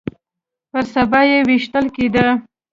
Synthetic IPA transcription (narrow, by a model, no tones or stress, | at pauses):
pəɾsabɑjewiʃt̪əlked̪ə